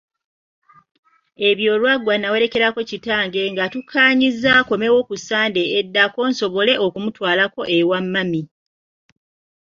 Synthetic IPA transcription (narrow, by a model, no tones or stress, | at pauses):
e̞βjo̞ːlwaɡwanawe̞ɾe̞ke̞ɾako̞citaːŋɡe̞ŋɡatukʰːaːɲizako̞me̞wo̞kusaːnde̞ːdːako̞ːnso̞βo̞le̞ʔokumutwaːlako̞ʔe̞wamːami